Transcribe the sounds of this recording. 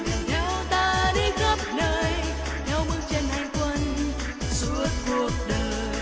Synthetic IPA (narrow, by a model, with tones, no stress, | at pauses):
nɛ˨˧˦wt̪aː˧ɗi˧ɣə˦˥p̚nəː˧j | nɛ˨˧˦wmɨ˧ŋt͡ɕə˧nha˨˧˩jŋkwə˧n | su˧˦˥ət̚ku˨˩ək̚ɗəː˨˩j